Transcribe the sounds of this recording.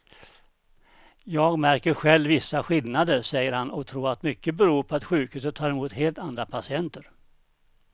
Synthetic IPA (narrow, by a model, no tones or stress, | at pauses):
jɑːɡmæɾkəɾɧɛlvɪsːaɧɪlnad̪əɾʂɛjːəɾhanɔkt̪ʰɾuːɾat̪mʏkːəbɛɾuːɾpʰɔat̪ɧʉ̟ːkhʉ̟ːs̬ət̪ʰɑːɾɛmuːt̪heːlt̪and̪ɾapʰasɪɛnt̪əɾ